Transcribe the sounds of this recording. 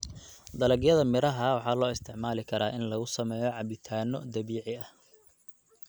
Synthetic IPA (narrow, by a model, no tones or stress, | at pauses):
d̪ɐlɐɡjɐðɐmɪɾɐɦɐwɑħɑːlɔːɪst̪ʰɪʕmaːlɪkʰɐɾaːʔɪnlɐɣʊsɐmɛːjɔʕɑbɪt̪ʰaːnɔd̪ɐβiːʕɪɐh